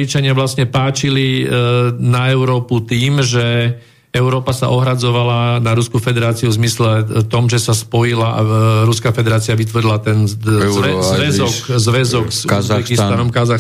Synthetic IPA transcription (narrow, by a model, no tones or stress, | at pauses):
it͡ʃaɲɪaʋlasɲɛpaːt͡ʃili | naɛʊɾɔːput̪iːmʒɛ | ɛʊɾɔːpasa̰ʔɔɦɾad͡zɔʋalanaɾuskufɛd̪ɛɾaːt͡siuvzmislɛt̪ɔmʒɛsaspɔjilaaɾuskafɛd̪ɛɾaːt͡siaʋit̪ʋɔrɾilat̪ɛnɛzʋɛzɔkzʋɛzɔkzuɛkist̪anɔmkazax